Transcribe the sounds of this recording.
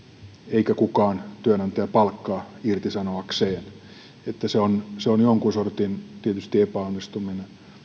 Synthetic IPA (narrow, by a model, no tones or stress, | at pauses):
eikækukɑːnt̪yænɑnt̪eæpɑlkːɑːirt̪isɑnoɑkseːn | et̪ːæseonseonjoŋkunsort̪int̪iet̪yst̪iepæonːist̪umine